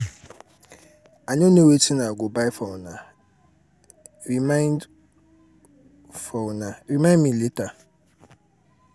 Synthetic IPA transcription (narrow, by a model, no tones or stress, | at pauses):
aɲonewetinaɡobaɪfona | ɾimaɪnd | fonaɾimãndmileta